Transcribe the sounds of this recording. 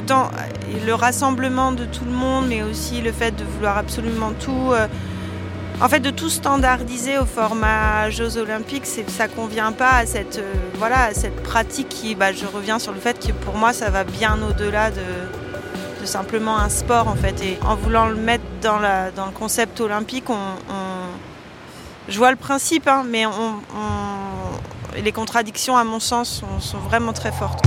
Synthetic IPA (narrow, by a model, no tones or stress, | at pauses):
t̪ɑ̰̃ | ləʁasɑ̃bləmɑ̃d̪ət̪ʰuləmɔ̃d̪mɛosiləfɛt̪̚d̪əvulwaʁabsolymɑ̃t̪ʰuø | ɑ̃fɛt̪̚d̪ət̪ust̪ɑ̃d̪aʁd̪izeofɔʁmaʒozolɛ̃piksɛsakɔ̃vjɛ̃paːsɛt̪øvwalaːsɛt̪̚pχat̪ʰikʰːibaʒəʁəvjɛ̃syʁləfɛt̪kʰəpuʁmwasavabjɛ̃nod̪əlad̪ə | d̪̥əsɛ̃pləmɑ̃ɛ̃spɔʁɑ̃fɛt̪eɑ̰̃vulɑ̃ləmɛt̪χəd̪ɑ̃ləd̪ɑ̃ləkɔ̃sɛp̚t̪ɔlɛ̃pikɔ̃ɔ̃ | ʒəvwaləpχɛ̃sipɛ̃mɛɔ̃ɔ̃ | lekɔ̃t̪χad̪iksjɔ̃amɔ̃sɑ̃sːɔ̃sɔ̃vʁɛmɑ̃t̪χɛfɔʁt̪